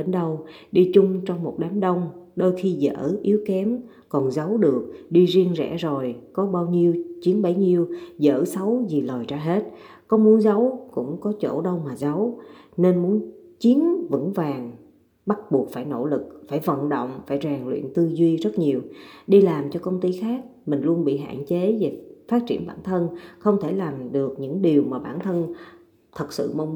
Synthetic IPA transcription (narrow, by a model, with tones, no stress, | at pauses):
ɗe˨˦nɗə˧wɗi˧t͡ɕʊ˧ŋ͡mt͡ɕɔ˧wŋ͡mmo˨˩t̚ɗa˨˦nɗə˧wŋ͡mɗo˧jxi˧zə̰ː˧˥ʔi˨˦əwkɛ˨˦m | kɔ˨˩nzə˨˦wɗɨ˨˩ək̚ɗi˧zi˧əŋzɛ̰˧˥zo˨˩jkɔ˨˦ɓaː˧wɲi˧əwt͡ɕi˨˦ənɓə˨˦jɲi˧əwzə̰ː˧˩sə˨˦wzi˨˩ləː˨˩jt͡ɕaː˧ɦe˦˥t̚ | kɔ˨˦mu˨˦ənzə˨˦wkʊ̰˧˥ŋ͡mkɔ˨˦t͡ɕo̰˧˩ɗə˧wmaː˨˩zə˨˦wne˧nmu˨˦ənt͡ɕi˨˦ənvə̰˧˥ŋvaː˨˩ŋ | ɓa˦˥t̚ɓu˨˩ək̚faː˧˩jno̰˧˥lɨ˨˩k̚faː˧˩jvə̰˧˨nɗə̰˧˨wŋ͡mfaː˧˩jzaː˨˩ŋlwḭ˧˨ənt̪ɨ˧zwi˧zə˦˥t̚ɲi˨˩əwɗi˧laː˨˩mt͡ɕɔ˧kə˧wŋ͡mt̪i˧xaː˦˥k̚mï˨˩ŋ̟lu˧ənɓḭ˧˨ɦa̰ː˧˨nt͡ɕe˨˦ve˨˩faː˦˥t̚t͡ɕi˧˩ənɓaː˧˩nt̪ʰə˧nxə˧wŋ͡mt̪ʰe˧˩laː˨˩mɗɨ˨˩ək̚ɲɨ̰˧˥ŋɗi˨˩əwmaː˨˩ɓaː˧˩nt̪ʰə˧n | t̪ʰə˨˩t̚sɨ̰˧˨mə˧wŋ͡m